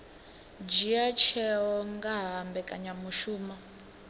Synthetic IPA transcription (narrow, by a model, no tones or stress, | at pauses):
d͡ʒiat͡ʃʰɛɦɔŋɡaɦambɛkʼaɲamuʃuːma